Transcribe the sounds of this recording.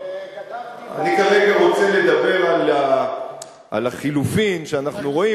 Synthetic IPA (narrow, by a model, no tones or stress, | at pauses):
a̰nikaʁe̞ɡaʁo̞t͡se̞le̞d̪abe̞ʁala | ʔa̰laχilufimʃeanaχnuʁo̞i